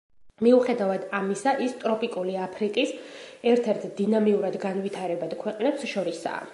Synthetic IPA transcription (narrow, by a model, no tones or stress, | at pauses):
miuχɛd̪avad̪amisaʔist̪ʼɾɔpʼikʼuliapʰɾikʼisɛɾt̪ʰɛɾt̪ʰd̪inamiuɾad̪ɡanvit̪ʰaɾɛbad̪̥kʰwɛqʼnɛpsʃɔɾisa̰ː